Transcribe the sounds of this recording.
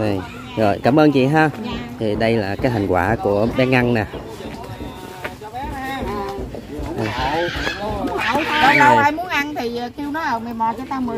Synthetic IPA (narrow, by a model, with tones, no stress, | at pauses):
ə˨˩j | zo˨˩jkaː˧˩mʔəː˧nt͡ɕḭ˧˨ɦaː˧t̪ʰi˨˩ɗə˧jlaː˨˩kaː˨˦t̪ʰa˨˩ŋkwaː˧˩ku˧˩əɓɛ˨˦˥nʔa˧nnaː˨˩˧ | a˧˩wa˨˩aː˧jmu˨˦ənʔa˧nt̪ʰi˨˩˨ki˧wnɔ˨˦ʔəː˨˩me˨˩jmɔ˨˩t͡ɕɔ˨˧˦t̪aː˧mɨ˨˩˦